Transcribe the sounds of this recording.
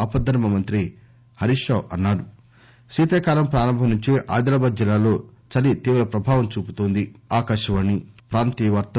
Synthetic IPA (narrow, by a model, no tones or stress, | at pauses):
ɐpɐd̪ʱːɐɾmɐmɐnt̪ɾi | hɐɾiʂɐːʔɐnːaːɾu | siːt̪eːkaːlɐmpɾaːɾɐmbʱɐmnuɲt͡ʃiʔa̰ːjd̪ɾaːbaːd̪̚d͡ʒilːaːlo̞ː | t͡ʃɐlit̪iːʋɾɐpɾɐbʱaːʋɐmt͡ʃuːput̪oːnd̪iaːkaːʃɐʋɐnːipɾaːnt̪iʋɐɾt̪ɐ